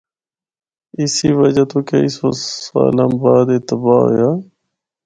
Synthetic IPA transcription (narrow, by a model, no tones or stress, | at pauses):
isiːʋəd͡ʒat̪oːkeiso̰aːlambaːd̪et̪əbaːɦo̰jjaː